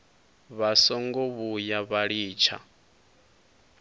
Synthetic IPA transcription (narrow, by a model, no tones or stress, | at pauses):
βasɔŋɡɔβujaβaɺiːt͡ʃʰa̰